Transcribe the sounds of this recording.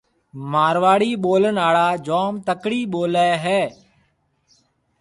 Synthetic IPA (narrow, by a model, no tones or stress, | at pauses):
maːɾʋaːɽiːɓoːlənaːɭaːd͡ʒɔːmt̪əkɽiːɓoːlɛːɦɛː